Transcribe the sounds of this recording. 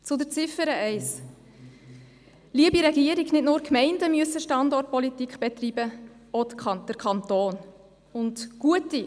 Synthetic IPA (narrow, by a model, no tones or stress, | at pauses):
t͡sʊdət͡sɪfəɾəʔɛɪs | liəbiɾɛɡiəɾiɡnɪtnʊːɾkmɛɪndəmyəsəʃtɑndɔrt̚pɔlitikχb̥ɛt̪riːbə | od̥əɾkʰɑntoːn | ʊntɡ̥uəti